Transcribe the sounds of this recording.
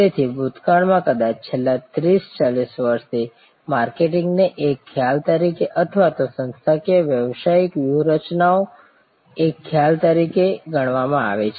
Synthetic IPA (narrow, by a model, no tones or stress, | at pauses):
t̪et̪ʰibʱut̪kaɽmãkəd̪at͡ʃt͡ʃʰelːat̪ɾist͡ʃalisʋəɾʃt̪ʰi | maɾkeʈiŋɡneʔekʰːjalt̪əɾikeʔət̪ʰʋat̪osə̃nst̪ʰakeʋjəʋʃaikʋjuɾət͡ʃnao | ekʰːjalt̪əɾikeɡəɽ̃ʋamãa̰ʋet͡ʃʰe